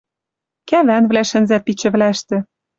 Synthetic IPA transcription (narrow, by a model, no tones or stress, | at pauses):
kæβænβlæʃɘ̆nzæt̪̚pit͡ɕɘ̆βlæʃt̪ɘ̆